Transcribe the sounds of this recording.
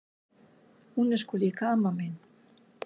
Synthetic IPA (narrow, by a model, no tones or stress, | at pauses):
unə̆ʃkulʲikɑmɑmen